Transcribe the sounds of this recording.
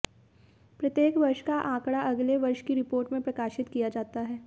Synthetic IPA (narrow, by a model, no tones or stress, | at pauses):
pɾɐt̪jeːkʋɐɾʃkaʔãːkɽaʔɐɡleʋɐɾʃkiɾɪpoːɾʈmẽpɾɐkaːʃɪt̪kijad͡ʒaːt̪aɦɛː